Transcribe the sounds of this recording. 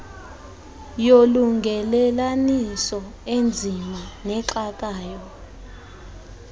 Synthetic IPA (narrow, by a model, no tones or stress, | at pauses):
joluŋɡʱɛlɛlanisɔend͡zʱimanɛǁak̬ʼaːjɔ